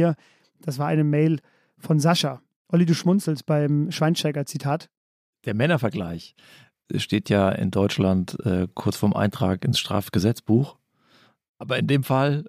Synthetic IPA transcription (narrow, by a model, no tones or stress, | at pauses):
ɐ | d̥as̬v̥aːʔaɪnəmɛɪl | fɔnzaʃa | ʔɔliduːʃmʊnt͡sl̩st̚b̥aɪmʃv̥aɪnʃɛɡɐt͡sitʰaːt | d̥eːɐmɛnɐfɛɐɡlaɪç | ʃteːtʰjaːʔɪ̰ndɔʏt͡ʃlantʔɛːkʰʊɐt͡sfoɔɐmʔa̰ɪntʁ̥aːkɪnsʃtʁ̥a̰ːfɡ̥əzɛt͡sb̥uːx | ʔaːbɐɪndeːmfal